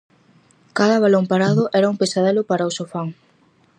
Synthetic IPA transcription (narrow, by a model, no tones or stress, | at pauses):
kaðɐβalompaɾaðʊʔɛɾɐumpesaðelʊpaɾaosofaŋ